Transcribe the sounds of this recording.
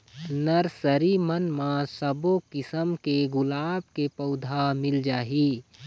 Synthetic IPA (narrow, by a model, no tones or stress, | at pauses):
nəɾsəɾimənmãsəbokɪsəmkeɡʊlaːb̚kepəʊd̪ʱamɪld͡ʒaːɦiː